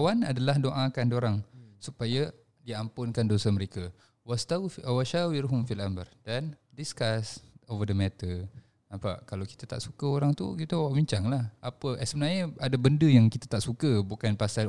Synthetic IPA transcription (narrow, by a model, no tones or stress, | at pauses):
awanadalahdoʔakandoɾaŋsupaja | diampʊnkandosaməɾeka | wast̪awaʃawiɾɦʊmfialamərd̥andiskasovədəmɛt̪ə | nãmpa̰ʔkalawki̥t̪ət̪a̰ʔsukəoɾaŋt̪ṵkit̪əwwaʔbiɲt͡ʃaŋlahʔapəʔsəbənarɲəadabəndəjaŋkit̪at̪aʔsukəbukanpasa